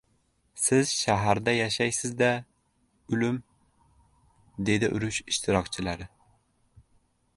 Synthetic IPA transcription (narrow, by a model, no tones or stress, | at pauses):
sɪzʃæɦæɾd̪ɛjɑʃɛjsɪzd̪ɛ | ylym | d̪ed̪ɪʔṵɾyʃiʃt̪ʰɨɾɑqt͡ʃʰilæɾɨ